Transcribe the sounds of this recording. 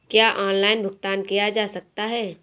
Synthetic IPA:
kjaːʔɔːnlaːɪnbʱʊɡ̚t̪aːnkijad͡ʒaːsɐk̚t̪aɦɛː

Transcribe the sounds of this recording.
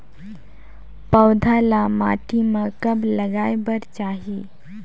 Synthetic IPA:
pəwd̪ʱalama̰ʈiməkəbləɡajbəɾt͡ɕaɦi

